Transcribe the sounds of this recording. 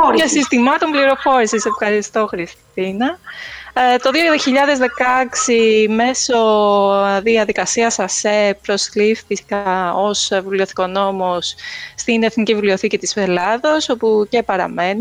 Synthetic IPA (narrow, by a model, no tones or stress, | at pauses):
esist̪imɐt̪o̞mbliɾo̞fo̞ɾisise̞fxɐɾist̪o̞xɾist̪inɐ | t̪o̞ðioðçiʎɐðe̞zðe̞kɐksime̞so̞ | ðiɐðikɐsiɐsɐsepɾo̞sliffisi̥kaosvilio̞θi̥ko̞no̞mosːt̪ine̞θnicivilio̞θicit̪isfelɐðoso̞puce̞pɐɾɐ̰me̞nu